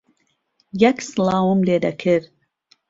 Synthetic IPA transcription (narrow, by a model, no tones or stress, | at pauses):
jɛksɨlˠɑːwumleːd̪ɐkʰɨɾ